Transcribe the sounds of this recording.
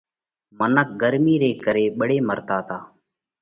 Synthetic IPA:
mənək̚ɡəɾmiːɾeːkəɾeːɓəɽeːməɾt̪aːt̪aː

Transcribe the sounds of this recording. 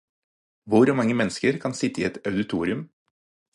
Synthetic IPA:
ʋʊɾmɑŋːəmɛnəskəɾkʰɑnsɪt̪əiːɛt̪œʉd̪ɪt̪ʰuːɾɪʉm

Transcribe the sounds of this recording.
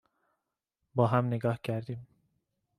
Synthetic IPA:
bɑɦamniɡɑhɟæɾd̪im

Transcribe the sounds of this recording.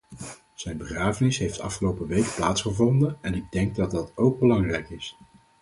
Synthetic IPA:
z̥ɛjnbəχraːvənɪsɦejftɑ̰fχəlowpəʋejkplaːtsχəvɔndənɛnɪɡ̚dɛŋɡ̚dɑt̚dɑtowɡ̚bəlɑŋrɛjkɪs

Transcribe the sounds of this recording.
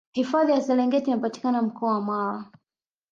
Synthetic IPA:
hifaðijasɛlɛŋɡɛtinapati̥kanam̩kɔawamaɾa

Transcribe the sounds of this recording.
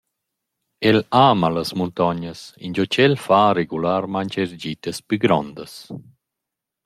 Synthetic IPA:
ɛlaːmalɐsmunt̪ɔɲəsḭnd͡ʒot͡ʃɛlfaɾeɡulaɾmaɲt͡ʃeɾd͡ʒit̪əspyɡɾɔnd̪əs

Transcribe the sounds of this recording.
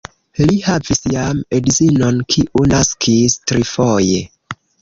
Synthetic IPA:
lihavisjamedizinonkʰiʔunaskʰistɾifoje

